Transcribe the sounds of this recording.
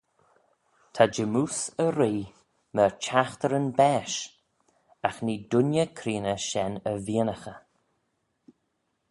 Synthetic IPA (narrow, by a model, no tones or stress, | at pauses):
t̪ʰad͡ʒəmuːsəɾiː | mət͡ʃʰaxt̪əɾənbɛːʃ | axniːdʊnjəkʰɾiːnəʃɛnəviːənəxə